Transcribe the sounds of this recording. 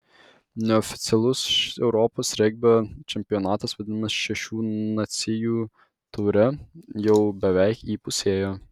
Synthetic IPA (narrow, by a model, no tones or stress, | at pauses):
nʲɛɔfʲɪ̥t̪sʲɛlˠʊsɛʊɾɔːpoːsɾʲɛɡ̚ʲbʲɛt͡ʃʲɛmʲpʲɪjɔnɑːt̪ɐsʋɐd̪ʲɪnɐmɐsʃʲɛʃʲuːnɐt̪sʲɪjuː | t̪ʊːɾʲɛjɛʊbʲɛʋʲɛɪkiːpʊsʲeːjoː